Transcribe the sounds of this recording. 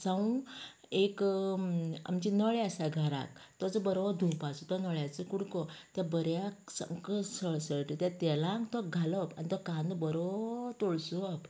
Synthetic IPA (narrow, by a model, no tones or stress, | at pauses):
sãũ | ek | a̰mt͡ɕinəɭjasaɡʱaɾa̰k̚t̪ɔd͡zɔbəɾʋɔd̪ʱupat͡sɔt̪ɔnəɭjat͡sekuɽkɔt̪jabəɾjaksə̰ŋkəsəɭsəɭʈət̪jat̪ɛlãŋkt̪ɔɡʱalɔpa̰nit̪ɔkãnd̪bəɾɔt̪oɭsuɔp